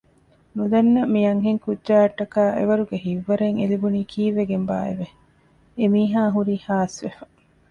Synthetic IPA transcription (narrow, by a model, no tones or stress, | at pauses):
nud̪ɐnːɐmijɐŋɦeŋkudːʒaːɐʈːɐkaːʔḛʋɐɾuɡeɦiʋːɐɾeŋelibuniːkʰiːʋːeɡemba̰ːḛʋe | emiːɦaːɦuɾiːhaːsʋefɐ̥